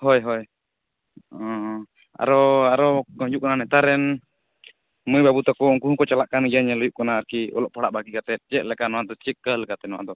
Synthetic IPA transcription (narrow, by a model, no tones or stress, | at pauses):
hɔjɦɔj | ɔ | a̰ɾɔaɾɔɔjuʔkɔnanɛt̪aɾɛn | mujbabut̪ɔkɔɔŋkuɦũkɔt͡ʃalaʔkanɡijaɲɛlɔjuʔkɔnaːɾkiɔ̰lɔʔ̚pʰaɽaʔbaɡikat̪ɛt̪̚ˀd͡ʒɛʔ̪̚lɛkanɔwad̪ɔt͡ʃikəlkat̪ɛnɔwa̰d̪ɔ